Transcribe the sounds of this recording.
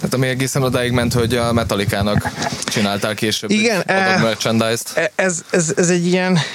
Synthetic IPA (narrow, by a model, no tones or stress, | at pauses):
ha̰ːt̪ɒmiɛɡeːsɛnod̪aːjiɡmɛnt̪ho̞ɟɒmɛt̪ɒlikaːnɒkt͡ʃinaːlt̪aːlkeːʃøːbiɡɛnɛmørt͡ʃɛnd̪ajst̪ɛɛzɛzɛzɛɟːijɛn